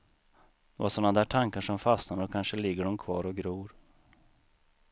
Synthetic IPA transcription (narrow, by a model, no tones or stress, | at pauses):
d̪̥ɛvaʂsɔnːad̪æːʈʰaŋkaʂɔmfast̪nad̪əɔkʰanʂəlɪɡːəɖɔmkʰvɑːɾɔɡɾuːɾ